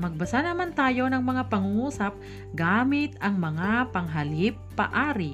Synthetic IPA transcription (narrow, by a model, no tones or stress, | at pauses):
mɐɡ̚bɐsanɐmant̪aːjo̞nɐŋmɐŋapɐŋuŋuːsɐp̚ | ɡaːmɪt̪ɐŋmɐŋapɐŋɦɐlɪpːɐ̰ʔaːɾɪ